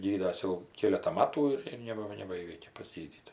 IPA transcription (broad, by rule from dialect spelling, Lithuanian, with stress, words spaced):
ˈɡʲiːdɐs jɛʊ ˈkʲeːlʲɛtɐ ˈmɑːtuː ɪr ɪr ˈnʲæːbɐ nʲɛbɐˈiːʋʲɛɪkʲeː tʲɪk pɐˈzʲɡʲiːdʲiːdɐʋoː